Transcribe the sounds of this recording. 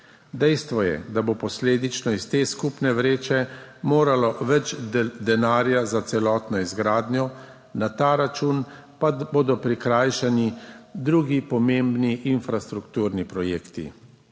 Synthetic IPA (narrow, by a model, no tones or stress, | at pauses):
d̪ɛjst̪ʋɔjɛ̰d̪abopɔsleːd̪it͡ʃnɔist̪eːskupnɛʋɾeːt͡ʃɛmoːɾalɔʋɛt͡ʃd̪ɛnaːɾjazat̪sɛlɔːt̪nɔizɡɾaːd̪njɔ | nat̪aːɾat͡ʃuːn | paboːd̪ɔpɾikɾaːjʃanid̪ɾuːɡipɔmẽmbniʔinfɾast̪ɾukt̪uːɾnipɾɔjeːkt̪ḭ